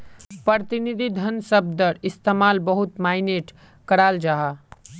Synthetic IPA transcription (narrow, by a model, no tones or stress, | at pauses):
pəɾt̪inid̪ʱid̪ʱənsəb̚d̪əɾɪst̪eːmaːlbɐɦʊt̪maːɪneːʈ | kɐɾaːld͡ʒaːɦaː